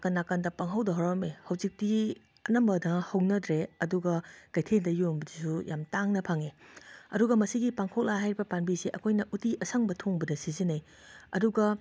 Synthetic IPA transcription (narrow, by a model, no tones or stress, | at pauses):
kɐnːakɐndɐpaŋɦɐwdɐɦawɾɐmehɐwzik̚ti | ɐnɐmbɐdɐhɐwnɐdɾeɐduɡɐkɐjtʰendɐjombɐdisujamtaŋnɐpʰaŋeɐ̰duɡɐmɐsiɡipaŋkʰok̚laɦajɾibɐpanbiseʔɐkʰojnɐʔutiʔɐsʰɐŋbɐtʰoŋbɐdɐsizinɐj | ɐ̰duɡɐ